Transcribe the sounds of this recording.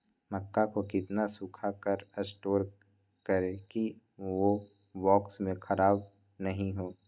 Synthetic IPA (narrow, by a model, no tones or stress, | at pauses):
mɐkːakokɪt̪nasukʰakəɾəsʈoːɾ | kəɾeki | ʋo | ʋwɔːksmẽxʰɐɾaːb | nɐɦĩɦoː